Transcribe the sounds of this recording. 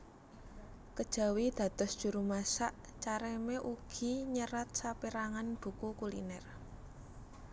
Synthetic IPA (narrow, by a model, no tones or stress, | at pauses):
kəd̥ʒ̥a̤wid̪̥ä̤t̪ɔsd̥ʒ̥ṳɾumasaʔ | t͡ʃaɾemeʔuɡ̥i̤ɲəɾat̪̚sapiɾaŋanb̥ṳkukulḭnɛr